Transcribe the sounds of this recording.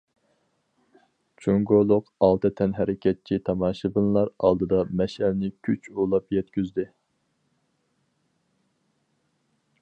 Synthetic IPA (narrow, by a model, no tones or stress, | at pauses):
t͡ʃʰuŋɡolˠʊqɑlˠt̪ʰɨt̪ʰɛnɦɛɾɪkʲʰɛt̪̚t͡ʃʰit̪ʰɑmɑːʃɨbɨnlˠɑɾɑlˠd̪ɨd̪ɑmɛʃɛlnɪkʲʰyt͡ʃʰulˠɑpjɛt̪kʲyzd̪ɪ